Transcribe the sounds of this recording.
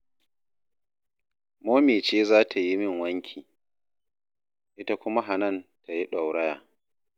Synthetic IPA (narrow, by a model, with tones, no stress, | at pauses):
moː˦meː˨t͡ʃeː˦zaː˦tʰa˨ji˦mɪ˦˨ŋwɐ˦ŋkʲʰiː˨ | ʔɪ˦ta˦kʷʊ˦ma˦ɦa˨nɐ˦˨ntʰa˨ji˦ɗa˨wɽɐ˦jaː˨